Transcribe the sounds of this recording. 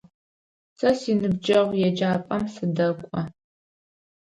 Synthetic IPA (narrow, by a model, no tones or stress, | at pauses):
sɐsinɨb̚d͡ʒɐʁʷjɛd͡ʒaːpʼɐmsɨdɐkʷʼɔ